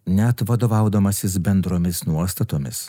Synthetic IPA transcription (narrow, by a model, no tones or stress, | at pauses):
nʲɛt̪ʋɐd̪oːʋɑʊd̪ɐmɐsʲɪs̬bʲɛnd̪ɾoːmʲɪsnuɔst̪ɐt̪oːmʲɪs